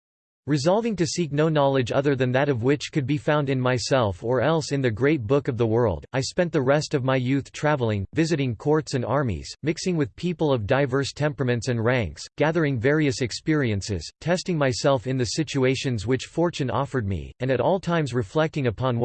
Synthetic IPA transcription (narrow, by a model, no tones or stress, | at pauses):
ɹɨzɑlˠvɪ̃ŋtɨsik̚noʊnɑlˠɨd͡ʒʌðə˞ðɨ̃nðɨɾʌvwɪt͡ʃkʰɨd̚bifãʊ̃ndɨ̃nmaɪsɛlˠfə˞ɛlˠsɨ̃nðɨɡɹeɪt̚b̥ʊkʌvðəwɜ˞lˠdaɪspɛ̃nðɨɹɛstʌvmaɪjʉθtʰɹ̥ævl̩ˠɪ̃ŋvɪzɨɾɪ̃ŋkʰɔɹtsɨ̃nɑɹmḭz̥mɪksɪ̃ŋwɨð̥pʰipl̩ˠʌvdaɪvɜ˞stʰɛ̃mpɹəmɨ̃ntsɨ̃nɹæ̃ŋksɡ̥æðə˞ɪ̃ŋvɛɹiɨsɨkspɪɹiɨ̃nsɪ̰z̥tʰɛstɪ̃ŋmaɪsɛlˠfɨ̃nðɨsɪt͡ʃʉeɪʃɨ̃nzwɨt͡ʃfɔɹt͡ʃɨ̃nɔ̰fə˞d̚mḭɨ̃nɨɾɔlˠtʰãɪ̃mzɹɨflɛk̚tɪ̃ŋɨpʰɑ̃n